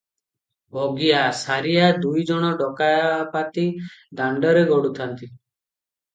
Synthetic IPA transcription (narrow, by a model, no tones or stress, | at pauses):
bʱɔɡijasaɾiad̪ujd͡ʒɔɽ̃ɔɖɔkajapat̪id̪aɳɖɔɾeɡɔɽut̪ʰant̪i